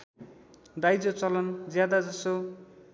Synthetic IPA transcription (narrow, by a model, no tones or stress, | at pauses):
d̪ajd͡zot͡sʌlʌnd͡zjad̪ad͡zʌso